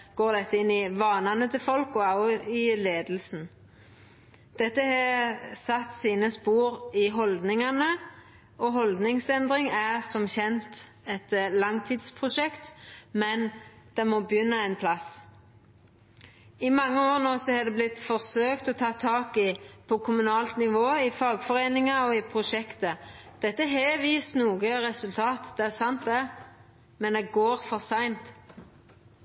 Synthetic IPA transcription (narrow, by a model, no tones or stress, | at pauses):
ɡ̥oːʁd̪ɛt̪ːəɪnːɪʋɑːnɑnət̪ʰɪfɔlkɔɑɪleːd̪l̩sn̩ | d̪̥ɛt̪ːəhɑsɑt̪ːsiːnəspuːʁɪɦɔld̪nɪŋɑnə | ʔɔɦɔld̪nɪŋsɛnd̪ʁɪŋæʁsɔmçɛnt̪ | ɛt̪lɑŋt̪ʰiːd̪spʰʁʊʃɛkt̪mɛnd̪̥ɛmɔːbəjʏnːəɛɪnpʰlɑs | ɪmɑŋːəoːʁnoːsɔhɑd̪ɛblɪt̪fɔʁsøːkt̪ɔt̪ʰɑːt̪ʰːɑːkɪpʰɔkʰʊmʉnɑːlt̪nɪʋoːɪfɑːɡfɔʁeːnɪŋɑɔɪpʰʁʊʃɛkt̪ə | d̪̥ɛt̪ːəɦɛʋiːst̪nuːɡəʁɛsʉlt̪ʰɑːt̪d̪ɛæʁsɑnt̪̚d̪ɛ | mɛnd̪ɛɡoːʁfɔʁsæɪnt̪